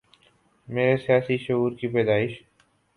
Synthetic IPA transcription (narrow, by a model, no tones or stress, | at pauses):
meːɾesijaːsiʃʊɦuːɾkipɛːd̪aːɪʃ